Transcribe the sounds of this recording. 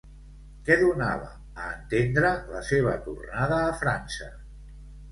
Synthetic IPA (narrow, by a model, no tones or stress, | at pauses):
kɛðunaβ̞əː | nt̪end̪ɾələseβ̞ət̪urnað̞əːfɾansə